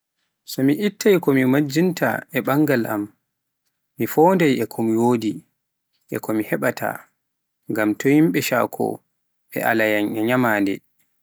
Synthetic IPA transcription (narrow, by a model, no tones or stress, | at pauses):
sɔmiʔitːajkɔmimad͡ʒinta̰ɛɓaŋɡalʔa̰mː | ifɔːndajɛkʰɔmwoːdi | ʔɛ̰kʰɔmihɛɓatʰa̰ | ŋɡamtɔhimɓɛʃa̰ːkʰɔ̰ | ɓɛ̰ʔa̰lajanɛɲamaːndɛ̰